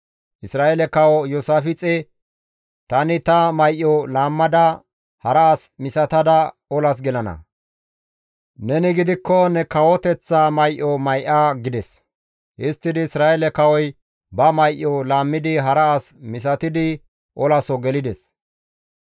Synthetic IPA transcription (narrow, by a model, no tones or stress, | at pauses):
ʔɪsɾaːelɛkɐwɔjɔsaːfɪt͡sʼɛ | t̪ɐnɪt̪ɐmɐjʔːɔlaːmːɐd̪ɐ | hɐɾɐːsmɪsɐt̪ɐd̪ɐ | ɔlɐs̬ɡɛlɐnɐ̰ | nɛnɪɡɪd̪ɪkːɔnɛkɐwɔt̪ɛt͡sːamɐjʔɔmɐjʔaɡɪd̪ɛs | ʔɪst̪ːɪd̪ɪːsɾaːelɛkɐwɔj | bɐmɐjʔːɔlaːmːɪd̪ɪɦɐɾɐasmɪsɐt̪ɪd̪ɪ | ʔɔlɐsɔɡɛlɪd̪ɛs